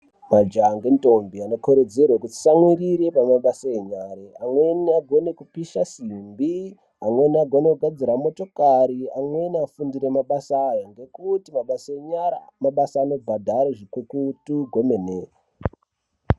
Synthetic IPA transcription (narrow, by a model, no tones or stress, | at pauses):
mad͡ʒaŋɡentombianokoɾed͡zerwakuti̥samwiɾiɾe̞pamaɓasaeɲaɾeamwe̞niaɡʱo̞ne̞kupiʃasimbi | amwe̞niaɡʱo̞ne̞kuɡʱad͡ziɾamo̞to̞kaɾiamwe̞niafundiɾe̞maɓasaːjaŋɡe̞kutimaɓasaeɲaɾa̰maɓasaːno̞bʱadʱaɾeʐikukutuɡʱo̞me̞neːa